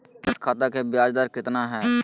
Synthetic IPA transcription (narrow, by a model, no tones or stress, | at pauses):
ɪt̪kʰaːt̪akebjaːd͡ʒd̪aːɾkɪt̪naɦɛː